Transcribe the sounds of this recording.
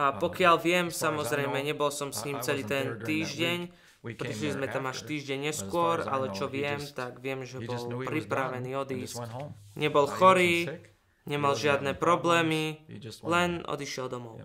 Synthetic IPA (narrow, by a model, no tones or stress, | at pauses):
ʔapɔkɪalʋɪɛmsamɔzɾɛjmɛɲɛbɔlsɔmsɲiːmt͡sɛliːt̪ɛnt̪iːʒɟɛɲ | pɾiʃlizmɛt̪amaʃt̪iːʒɟɛɲːɲɛskʊɔɾa̰lɛt͡ʃɔʋɪɛmt̪aɡʋɪɛmʒɛbɔlpɾipɾaʋɛniːɔd̪iːsc | ɲɛbɔlxɔɾiː | ɲɛmalʒɪad̪nɛːpɾɔblɛːmilɛnɔ̰d̪iʃɪɛld̪ɔmɔʊ